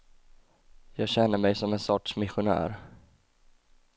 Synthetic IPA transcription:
jɑːɡɕɛnːəɾmɛjsɔmɛnsɔʈʂmɪɧʊnæ̰ːɾ

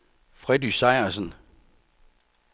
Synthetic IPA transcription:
fʁɛd̥isɑ̈ɪɐsən

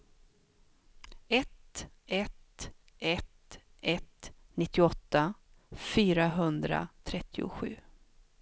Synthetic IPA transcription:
ɛt̪ | ɛt̪ | ɛt̪ | ʔɛt̪nɪt̪ːɪɔt̪ːafyːɾaɦɵnd̪ɾa̰t̪ʰɾɛt̪ʰːɪʊ̰ɧʉ̟ː

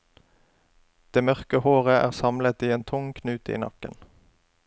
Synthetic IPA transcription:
d̪̥eːmœʁkəhoːʁəʔæ̰ːʁsɑmlət̪iːeːnt̪ʰʊŋkʰnʉːt̪ḭːnɑkə̰n

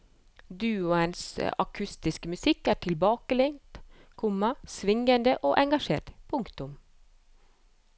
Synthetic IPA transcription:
d̪ʉːʊənsɑ̰kʰʉst̪ɪskəmʉsɪkːæːʈʰɪlbɑːkəlɛŋt̪ | kʰʊmːɑsʋɪŋənd̪əʔoːʔɛŋɡɑʂḛːʈpʰʊŋkt̪ʊm

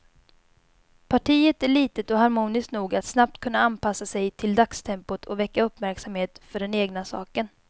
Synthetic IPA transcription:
pʰaʈʰiːət̪æɭiːt̪ət̪ɔɦaɾmuːnɪsknuːɡat̪snap̚t̪kʰɵnːaanpasːasɛjt̪ʰɪld̪akst̪ʰɛmpʊt̪ʰɔvɛkːaɵpːmæɾksamheːt̪fœɖɛneːɡnasɑ̰ːkən

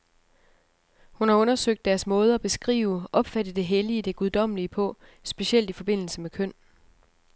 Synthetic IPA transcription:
hunhɑ̈ɔ̽nɐsøɡ̥̚d̥æɐsmɔ̽ːð̞ˠæb̥e̝sɡ̥ʁḭːʊəʔɒ̽b̥fæd̥əd̥e̝ɦeliəd̥e̝ɡ̥uð̞ˠd̥ɒ̽m̰liəpʰɔ̽ | sb̥e̝siel̰d̥ifɒ̽b̥e̝n̰l̩səmekʰøn̰

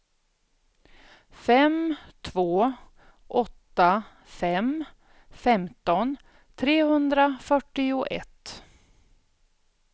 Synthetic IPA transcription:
fɛmt̪ʰvoː | ʔɔt̪ːa | fɛm | fɛmt̪ɔn | t̪ʰɾeːhɵnd̪ɾafœʈːɪʊʔɛ̰t̪ː

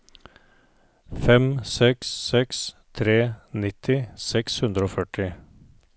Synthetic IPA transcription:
fɛmsɛksːɛkst̪ʰɾeːnɪt̪ʰɪsɛkshʉnd̪ɾəoːfœʈʰɪ

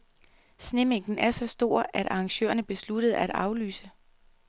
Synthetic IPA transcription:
sne̝meɡ̥n̩æɐsɒ̽sd̥o̝ɐ̰ʔæɾ̥ʔɑ̈ːŋɕø̰ːɐnəb̥e̝slud̥əð̩ˠæd̥ɑ̈ʊly̰ːsə

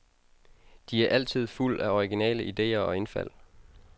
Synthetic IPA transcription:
d̥iæɐʔæl̰t͡sʰið̞̰ˠful̰æɒiɡ̥inɛ̰ːləʔid̥e̝̰ːɐɒ̽e̝nfæ̰l̰

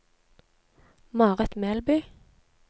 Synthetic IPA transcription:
mɑːʁɛt̪meːlbyː

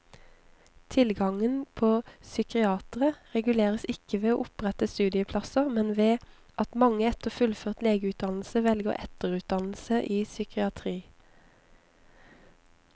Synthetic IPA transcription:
t̪ʰɪlɡɑŋənpʰoːsʏkɪɑːt̪ʁəʁɛɡʉleːʁəsɪkəʋeːoːʔʊpʁɛt̪əst̪ʉːd̪ɪəpʰlɑsəmɛnʋeː | ʔɑt̪mɑŋəɛt̪əʁfʉlføːʁt̪leːɡəʉːt̪̚d̪ɑnl̩səʋɛlɡəʁɛt̪əʁʉːt̪̚d̪ɑnl̩səʔiːsʏkɪɑt̪ʰʁiː

